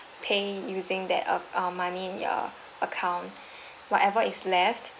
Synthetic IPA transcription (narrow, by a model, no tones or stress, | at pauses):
pʰejuzɪ̃ŋdɛ̰tʌmaniĩnjɔ̰ | əkʰãʊ̃nt | wɔtɛvəɪslɛft